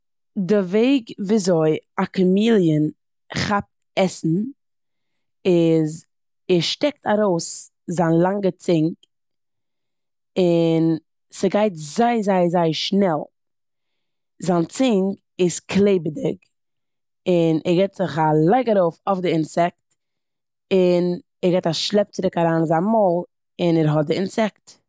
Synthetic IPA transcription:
dɪveɪɡviːzoɪakʊmiːlˠjən | χap̚t | ɛsn̩ | ɪz | ɛʃtɛk̚tʰaɾoʊs | zaːnlˠaŋɡət͡sɪŋk | ɪn | səɡaɪtzaɪzaɪzaɪʃnɛlˠ | zant͡sɪŋɡ | ɪsklˠeɪbədɪk | ɪnʔɛɾɡɛɪtzɪχalaɪɡəɾoʊfofdɪɪnsɛk̚t | ɪn | ɛɾɡeɪtaʃlˠɛp̚t͡sɪɾɪkaɾaːnzanmoːlˠ | ɪnɛɾɦɔt̚dɪɪnsɛkt

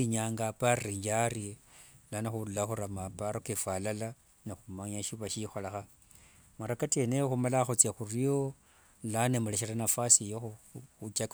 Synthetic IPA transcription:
iɲaŋɡapariɲd͡ʒaɾilanaxululaxuɾamapaɾokefwalala | nexumaɲaʃiβaʃixolaxa | maɾakatenejoxumalaxot͡sjaxurijo | lanemuleʃiranafasijoxuxut͡ʃak

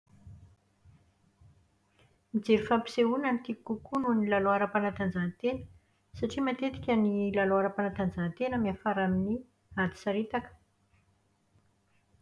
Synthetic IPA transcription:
mid͡zeɾifampi̥seunamit̪ikukununilaloaɾapanat̪and͡zant̪enə̥ | saʈ͡ʂimat̪et̪i̥kʲənilaloaɾapanat̪and͡zant̪enəmiafaɾamini | ad̪i̥saɾit̪akə̥

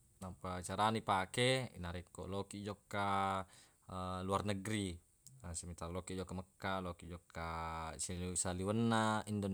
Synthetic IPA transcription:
nampat͡ʃaɾanipakeḭnaɾit̪ːo̰ʔlokid͡ʒɔkːa | luarnəɡɾi | simit̪arlokiʔd͡ʒɔkːaməkːalokiʔd͡ʒɔkːasilsaliwənːaindo

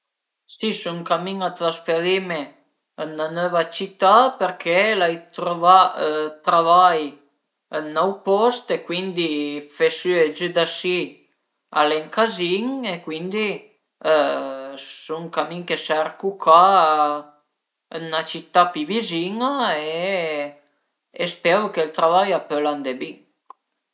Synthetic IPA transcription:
sisuŋkamiŋat̪ɾasfeɾime | ənːanɔvat͡ʃit̪ːapeɾkʰelajt̪ɾovat̪ɾavaj | ənːɔwpɔst̪ekwind̪ifesyed͡ʒəd̪asi | a̰leŋkaziŋekwind̪i | suŋkamiŋkesɛrkuka | nat͡ʃit̪ːapiviziŋae | espɛɾukelt̪ɾavajapøland̪ebiŋ

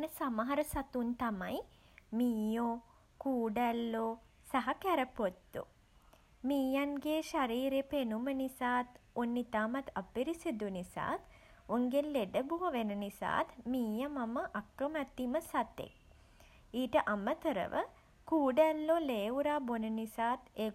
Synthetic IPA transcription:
onəsamaɦaɾəsat̪unt̪amaj | miːjoː | kuːɖælːoː | saɦɐkæɾəpot̪ːṵ | miːjanɡeːʃaɾiːɾepenumənisaːt̪onːit̪aːmat̪apiɾisid̪unisa̰ːt̪ | uŋɡelleɖəbuʋəʋenənisa̰ːt̪miːjəmaməʔakːəmæt̪ːiməsat̪ḛk̚ | iːʈəʔamət̪əɾə̰ʋʔə̰ | kuːɖælːoleːuɾaːbonənisaːt̪eː

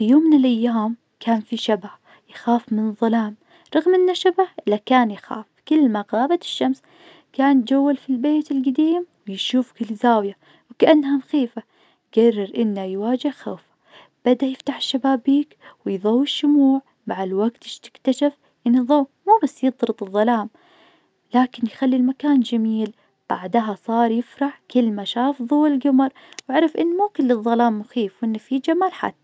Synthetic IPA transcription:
fijoːmːɪnɪlʔajːaːm | kʰaːnfiʃabah | jxaːfmɪnɨðˤːɑlaːm | ɾˤɑɣmʔɪnːaʃabahʔɪlːakaːnjxa̰ːfkɪlːmaɣɑːbat̪ɪ̥ʃːams | kaːnt̪d͡ʒawːalfilbeːt̪ɪlɡad̪iːmwjʃuːfkɪlizaːwja | wkaʔanːhanxiːfa | ɡɑrːɪɾʔɪnːajwaːd͡ʒɪhxaːfḁ | b̥ad̪ajɪft̪aħɪ̥ʃːabaːbːiːkwɪjðˤɑwːɪʃːʊmuːʕ | baʕd̪lwaɡt̪ɪʃt̪ɪ̥kt̪aʃaf | ʔɪnːiðˤɑwmuːbasːjɨd̪ˤɾɨt̪ˤɨðˤːɑlaːm | laːkɪnjxalːilmakaːnd͡ʒamiːl | b̥aʕd̪ɦasˤɑːɾˤjɪfɾɑħkɪlmaʃaːfðˤuːɪlɡʊmɑɾˤ | wɪʕaɾˤɑfʔɪnːmuːkɪlːɨðˤːɑlaːmːʊxiːfwɪnːafid͡ʒamaːlħa̰t̪ː

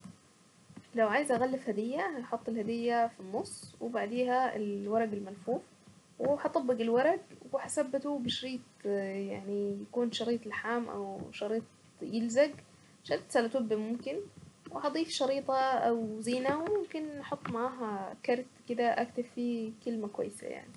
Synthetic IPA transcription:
lawʕajzʔaɣalːɪfhad̪ɪjːaħɑt̪ˤːɪlhad̪ɪjːafinːʊsːwɪbaʕd̪eːɦaɪ̰lwɑɾˤɑɡɪlmanfuːf | wɪħɑt̪ˤɑbːɪɡɪlwɑɾˤɑɡwwɪħasabːɪt̪ubɪʃɾiːt̪̚ˤjaʕnijakuːnʃɑɾiːt̪ˤɪlħaːmʔa̰wʃɑɾiːt̪̚ˤ | jɪlzaɡ | ʃɑɾt̪salat̪ʊbːimʊmkɪnwɪħɑd̪ˤiːfʃɑɾiːt̪ˤɑʔawziːnawɪmʊmkɪnɑħɑt̪ˤːmaʕaːɦakɑɾˤt̪kɪd̪aʔak̚t̪affikɪlmakwa̰jːsa̰ja̰ʕni

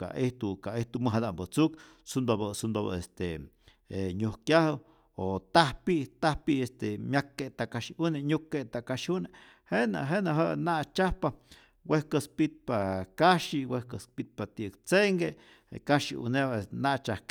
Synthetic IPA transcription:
ka̰ʔiht̪ukaʔeht̪uməɦad̪aʔmbət͡suk | sund̪obəsund̪oβə̰est̪e | eɲuhkjahə | ot̪ahpiʔt̪ahpiʔest̪emjakːeʔt̪aʔkaʃiuneɲukːeʔt̪akaʃune | hena̰ɦenaɦəʔnaʔt͡ʃahpa | wehkəspit̪̚pakaʃiwehkəspit̪̚pat̪ikt͡seŋɡe | kaʃiʔṵneβanaʔt͡ʃahk

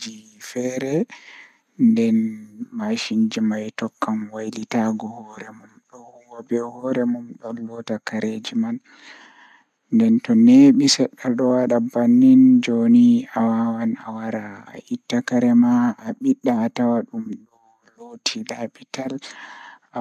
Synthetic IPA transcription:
ifɛɾɛ | ndɛnmaʃind͡ʒimajtɔkːamwajlitaɡɔhɔɾɛmumɗɔ | wɔbɛhɔɾɛmumɗɔlɔtakaɾed͡ʒiman | ndɛntɔneɓisɛɗːalɗɔwaɗabanːind͡ʒoniawawanawaɾa̰ːʔitːakaɾɛmaːɓiɗːaːtawaɗumɗɔ | lotʰilapital | a

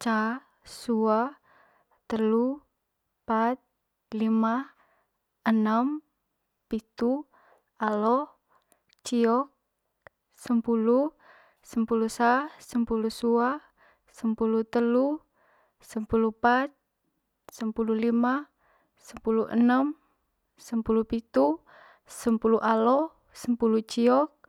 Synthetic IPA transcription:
t͡ʃa | sua | t̪əlu | pat̪̚ | lima | ənəm | pit̪u | alɔh | t͡ʃiɔk̚ | səmpulu | səmpulusasəmpulusua | səmpulut̪əlu | səmpulupat̪̚ | səmpululima | səmpuluʔə̰nəm | səmpulupit̪u | səmpuluʔalɔh | səmpulut͡ʃiɔk̚

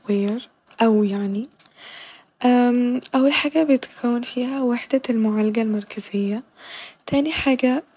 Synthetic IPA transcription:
weːɾ | ʔawjaʕni | ʔaʔawːalħaːɡabɪt̪kʰawːanfiːhawaħd̪almʊʕalaɡalmɑɾˤkʰazɪjːat̪ʰaːniħaːɡa

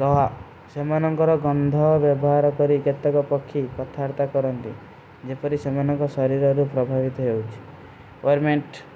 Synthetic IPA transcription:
ɾɔɦa | semanɔŋkɔɾɔɡɔnd̪ʱɔbjɔbɔɦaɾɔkɔɾiket̪ːɔkɔpɔkʰːikɔt̪ʰaɾt̪akɔɾɔnt̪ḭ | d͡ʒepɔɾisemanɔŋkɔsɔɾiɾɔɾupɾɔbʱabit̪ɔɦewt͡ʃʰi̥ | ɔɾmeɳʈ

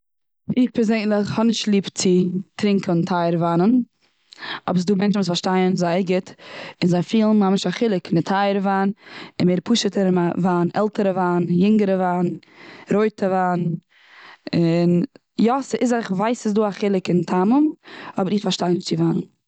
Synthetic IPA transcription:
ɪχpɛɾzeɪnlˠɪχhɔnɪʃtlˠiːpt͡sɪtɾɪŋkəntʰaɪəɾvanən | ɔ̰bsduːmɛnt͡ʃn̩ʊsfaɾʃtaɪənzaɪəɾɡɪtɪnzaɪfiːlˠn̩hamɪʃaχɪlˠɪkɪnɪtʰaɪəɾvaːnɪnmeːɾpʰuʃətəɾavaːnʔɛ̰lˠtəɾəvaːnjɪŋɡəɾəvaːn | ɾoɪtʰəvaːn | ɪn | jɔsɪʔɪzaχvaɪsɪs̬duːaχɪlˠɪkɪntʰamʊmɔbəɾɪχfaɾʃtaɪnɪʃt͡sɪvanən

